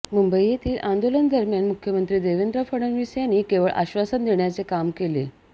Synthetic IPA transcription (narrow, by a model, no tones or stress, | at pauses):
mumbəijet̪ʰiːlʔãnd̪olənd̪əɾmjaɳmukʰjəmənt̪ɾiːd̪eʋend̪ɾəfəɽənʋisjanːiːkeʋəɭʔa̰ɕʋasənd̪eɳjat͡sekamkele